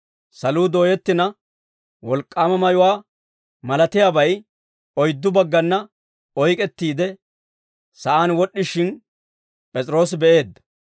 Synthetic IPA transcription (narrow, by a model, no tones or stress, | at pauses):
sɐluːd̪o̞ːjɛt̪ːɪnɐ | wɔlkʼːaːmɐmɐjʊwaː | mɐlɐt̪ɪjabɐj | ɔjd̪ːʊbɐɡːɐnːɐ | ɔjkʼɛt̪ːiːd̪ɛ | sɐʔaːnwɔɗːɪʃɪn | pʼɛt͡sʼɾo̞ːsbɛʔe̞ːd̪ːɐ